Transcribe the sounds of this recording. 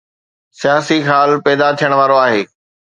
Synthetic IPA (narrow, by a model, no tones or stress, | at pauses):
sijaːsixaːlpɛːd̪at̪ʰijəɽ̃ʋaːɾoaːɦeː